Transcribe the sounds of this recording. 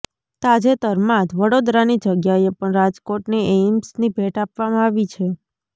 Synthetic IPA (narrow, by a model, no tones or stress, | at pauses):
t̪ad͡ʒet̪əɾmat̪ʋəɽod̪ɾanid͡ʒəɡjaepəɳɾad͡ʒkoʈniemsnibʱeʈapʋamãaʋit͡ʃʰe